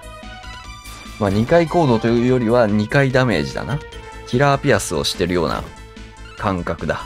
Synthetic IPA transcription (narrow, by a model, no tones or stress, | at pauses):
maɲ̟ikaiko̞ːd̪o̞t̪o̞jɯ̟ːjo̞ɾʲiβaɲ̟ikaid̪ame̞̰ːʑid̪a̰na | kʲiɾaːpʲiasɨo̞̰ɕi̥t̪e̞ɾɯjo̞ːna̰ | kãŋkakɯ̟d̪a̰